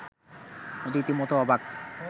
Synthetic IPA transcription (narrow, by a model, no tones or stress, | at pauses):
od̪iit̪imot̪oɔbak